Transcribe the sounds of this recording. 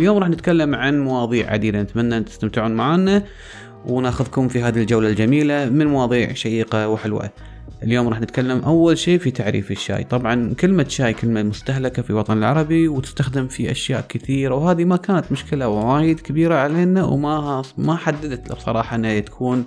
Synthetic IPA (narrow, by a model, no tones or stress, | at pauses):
ʔljoːmɾɑːħnɪt̪kalːamʕanmawɑːðˤiːʕʕa̰d̪iːd̪anɪt̪manːaʔnt̪ɪ̥st̪amt̪ɪʕuːnmaʕanːa | wnaːxʊðkʊmfiɦaːðild͡ʒawlald͡ʒamiːlamɪnmawɑːðˤiːʕʃajiːqawħɪlwa̰ | ʔɪljoːmɾˤɑːħnɪt̪kalːamʔawːalʃiːfit̪ʰaʕɾḭːfɪʃːa̰ːjt̪ˤɑbʕɑnkɪlmaʃaːjkɪlmalmʊst̪aɦlakafiwɑt̪ˤɑnəlʕɑ̰ɾˤɑbiwt̪ɪ̥st̪axd̪ɪmfiʔa̰ʃja̰ːʔkɪθiːɾawhaːðimakaːnat̪mʊʃkɪlawawaːjɪd̪kɪbiːɾaʕaleːnawmamaħad̪ːad̪at̪la̰bsˤɑ̰ɾˤɑːħɑʔɪnːat̪ḁkʰuːn